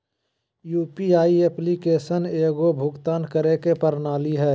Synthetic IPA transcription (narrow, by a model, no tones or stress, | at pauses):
juːpiaːiɛplikeːʃəneːɡobʱʊɡt̪aːnkəɾekepəɾnaːliɦɛː